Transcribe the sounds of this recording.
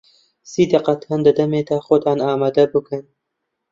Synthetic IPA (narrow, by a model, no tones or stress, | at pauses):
siːd̪ɐqɐt̪ʰaːnd̪ɐd̪ɐmeːd̪ɑxʊd̪ɑːnɑːmɑːd̪ɐbɨkʰɨn